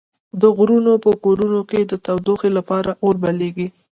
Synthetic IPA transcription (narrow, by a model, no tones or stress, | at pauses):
d̪əɣɾunopəkoɾunoked̪ət̪awd̪oxelapɑɾaʔoɾbaleɡi